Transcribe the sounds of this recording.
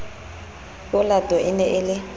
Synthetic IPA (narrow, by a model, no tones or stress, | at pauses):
ʊladɔʔɪnɛʔɪlɪ